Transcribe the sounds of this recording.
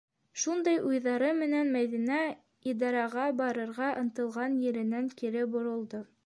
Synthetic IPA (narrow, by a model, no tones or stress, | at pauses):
ʃund̪ɑjʔujðɑɾɤmɘ̆nænmæðinæ | id̪ɑɾɑʁɑbɑɾɤ̆ɾʁɑʔɤ̆nt̪ɤ̆lˠʁɑnjɘ̆ɾɘ̆næŋkiɾɘbŏɾŏlˠd̪o